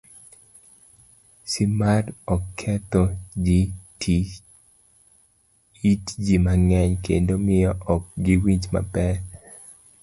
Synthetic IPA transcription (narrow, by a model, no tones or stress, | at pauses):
sɪmaɾɔkʰːɛt̪ɔd͡ʒitʰi | itd͡ʒimaŋɛɲkḛndomɪjɔʔɔk̚ɡɪwiɲd͡ʒma̰pɛ